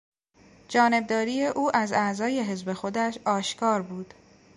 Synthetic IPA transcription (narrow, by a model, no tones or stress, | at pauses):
d͡ʒɒːne̞b̚d̪ɒːɾiːje̞ʔuːʔæzæzɒːje̞ɦe̞zbe̞xo̞d̪æʃɒːʃkʰɒːɾbuːd̪̥